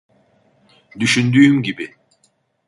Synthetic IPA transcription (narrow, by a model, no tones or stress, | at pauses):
d̪yʃynd̪yːmɟibi